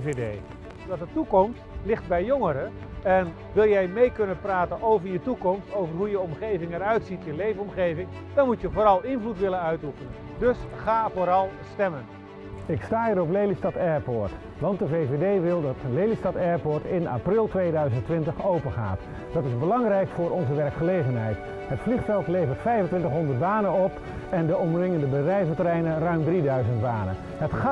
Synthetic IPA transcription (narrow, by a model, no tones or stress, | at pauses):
vedej | dɑtdətukɔmstlɪχt̚bɛjːoŋəɾə | ɛn | ʋɪlˠjɛjmejkɵnənpraːtənowvərjətukɔmstowvərɦujəɔmχejvɪŋɛɾœɥtsitjəlejvənɔmχejvɪŋ | d̥ɔnmutjəvoːɾɑlˠɪnvlutʋɪlənœɥtufənən | dɵsχaːvoːɾɑlˠstɛmən | ɪkstaːiɾɔplejlistɑtɛːɹpoːɹt | ʋɑnt̚dəvejvedejʋɪlˠdɑtlejlistɑtɛːɹpoːɹtɪna̰ːprɪlˠtʋejdœɥzəntʋɪntəχowpəχa̰ːt | d̥ɑtɪzbəlɑŋrɛjkfʊːɹɔnzəʋɛrkχəlejɣənɦɛjt | ɦətfliχfɛlˠtlejvəɹtfɛjvəntʋɪntəχɦɔndərtbaːnənɔp | ɛndəɔmrɪŋəndəbədrɛjvətərɛjnənrœɥmdridœɥzəntbaːnə̰ | ɦətχa